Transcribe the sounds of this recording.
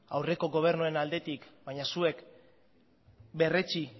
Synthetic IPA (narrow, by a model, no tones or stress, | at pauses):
awre̞ko̞ɣo̞β̞e̞ɾnue̞nald̪e̞t̪ikbajɲasue̞k | be̞re̞t͡ʃi